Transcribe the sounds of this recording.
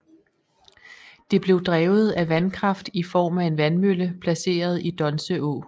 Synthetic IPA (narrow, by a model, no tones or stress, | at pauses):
d̥e̝b̥le̝ʊd̥ʁɛːʊð̞̩ˠæʋænkʰʁɑ̈fd̥ifɒ̰ːmæe̝nʋænmøləpʰlæse̝̰ːɐð̞ˠid̥ɒ̽nsəʔɔ̰